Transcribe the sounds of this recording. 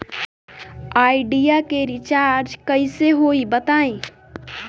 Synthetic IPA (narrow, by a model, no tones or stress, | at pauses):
aɪɖijakeɾit͡ʃaɾd͡ʒkəɪseɦoibət̪aẽ